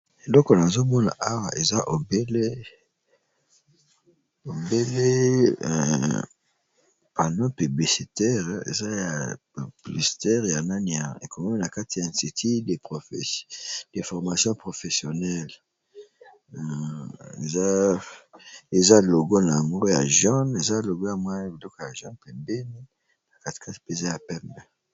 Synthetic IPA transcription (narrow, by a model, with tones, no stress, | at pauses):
e˨lɔ˦kɔ˨na˨zo˦mɔ˦na̰˨ʔa˦wa̰˨ʔe˨za˦ʔo˨be˦le˦ | o˨be˦lḛ˦˨ | pa˨nɔ̃˦py˨bli˨si˨tɛ˦ʁḛ˨za˦ja˨ | bli˨si̥˨tɛ˦ʁja˨na˦ni˨ja̰˨ḛ˨ko˨mɔ˦mi˦na˨ka˦ti˨ã˨ti˨tʰi˦de˨po˨fd̥e˨fɔ˨ʁma˨sjɔ̃˦pʁo˨fe˨sjo˨nɛ˦l | ḛ˨za˦ | e˨za˦lo˨ɡo˦na˨a˨ŋɡo˦ja̰˨ʒɔ˦ne˨za˦lo˨ɡo˦ja˨mwa˦bi˨lɔ˦ko˨ja˨ʒɔ̃˦npɛ˨mbe˦ni˦ | na˨ka˦ti̥˨ka˦ti̥˨pe˦˨za˦ja˨pɛ˦mbɛ˨